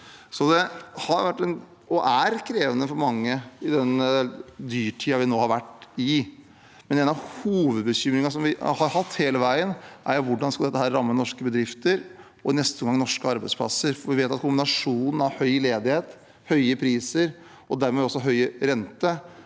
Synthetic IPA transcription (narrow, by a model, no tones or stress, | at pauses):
sɔd̪ɛhɑɾʋæʈːɛn | ɔʔæɾkʰɾeːʋənəfɔɾmɑŋːəɪd̪ɛn | d̪yːʈʰiːɑʋɪnoːhɑɾʋæʈːɪ | mɛneːnɑʋhuːʋəd̪̚bəçʏmɾɪŋɑsɔmʋɪhɑɾhɑt̪ːheːləʋæɪənʔæ̰ɾjʊʋʊɖːɑnskɑd̪ɛt̪ːəhæːɾɾɑmːənɔʂkəbəd̪ɾɪft̪əɾ | ɔɪnɛst̪əŋɡɑŋnɔʂkəɑɾbæɪspʰlɑ̰səɾfɔʋɪʋeːt̪ɑt̪̚kʰʊmbɪnɑʂuːnn̩ɑɾhœʏleːd̪ɪheːt̪ | hœʏəpʰɾiːsəɾ | ɔd̪æɾmɛɔsːɔɦœʏəɾɛnt̪ə